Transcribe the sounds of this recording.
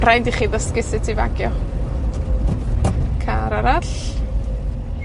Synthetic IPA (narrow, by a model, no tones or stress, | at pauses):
rajndiχiːðɔskɪsɪtʰiva̰ɡjɔ | kʰaɾaɾaɬ